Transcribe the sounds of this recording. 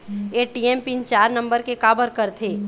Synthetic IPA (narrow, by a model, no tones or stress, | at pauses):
eːʈiɛmpint͡ʃaːɾnə̃mbəɾkekaːbəɾkəɾt̪ʰeː